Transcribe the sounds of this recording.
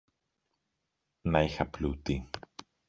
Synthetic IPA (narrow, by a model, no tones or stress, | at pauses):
nɐixɐplut̪i